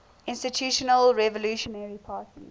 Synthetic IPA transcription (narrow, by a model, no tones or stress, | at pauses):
ʔɪ̃nstitʰjuːʃɔnəlɹɛvɔluːʃɔnɛɹipʰaːtʰḭ